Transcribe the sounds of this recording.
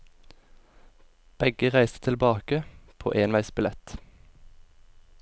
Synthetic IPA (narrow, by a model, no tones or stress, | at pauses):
b̥ɛɡəʁæɪst̪ə̥t̪ʰɪlbɑːkəpʰo̰ːʔeːnʋæɪsbɪlɛt̪